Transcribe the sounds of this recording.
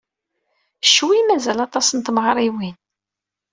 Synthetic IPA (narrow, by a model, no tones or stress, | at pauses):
ʃːwimæzælɑt̪ˤɑsənt̪məʁɾˤiwin